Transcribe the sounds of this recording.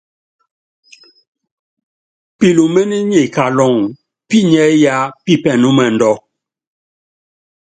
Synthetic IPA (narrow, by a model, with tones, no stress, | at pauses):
pi˨lu˨me˦ni˦ɲe˨ka˨lɔ˨ŋ | pi˦ɲɛ˦ja˦pi˦˨pɛ˨nu˦mɛ˨n̩˨dɔ˦